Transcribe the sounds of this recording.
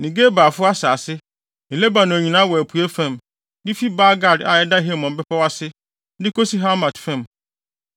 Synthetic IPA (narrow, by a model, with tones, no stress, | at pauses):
nĩ˨ɡe˦ba˨fʊ˦a˦saː˨sɪ˦ | nɪ̃˨le˦ba˨nʊ̃˨ɲĩ˨nãː˦wɔ˨æ˨pʰu˨æ˦fã˦˨m | dɪ˦fi˦ba˦ɡa˨da˨ɛ˦da˦ɦe˦˨mɔ̃˨m̩˨bɪ˦pʰa˦wa˦sɪ˦ | dɪ˦kʰo˦si˦ɦa˦mã˨tfã˦m